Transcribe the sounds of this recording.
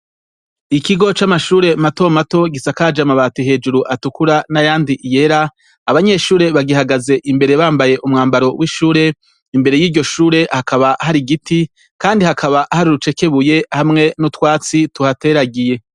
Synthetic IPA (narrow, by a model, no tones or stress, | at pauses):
ikiɡo̞t͡ʃamaʃuːɾe̞mato̞mato̞ɡisakad͡ʒamaβaːtiɦe̞ːd͡ʒuɾuʔatukuɾanajaːndiʔije̞ɾaː | βaɲe̞ʃuːɾe̞βaɡihaɡaze̞ʔimbe̞ɾe̞βaːmbaje̞ʔumŋaːmbaɾo̞wʔiʃuːɾe̞ | imbe̞ɾe̞jiːɾɟo̞ʃuːɾe̞hakaβaɦaɾiɡitʰi | kaːndihakʰaβaʔhaɾuɾut͡ʃe̞ke̞βuje̞hamŋe̞nutwaːt͡situhateɾaɡije̞